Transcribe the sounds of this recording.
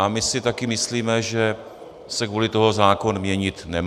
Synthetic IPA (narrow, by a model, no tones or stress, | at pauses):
amɪsɪt̪akɪmɪsliːmɛʒɛ | sɛkvulɪt̪oɦozaːko̞nmɲɛɲɪt̪nɛm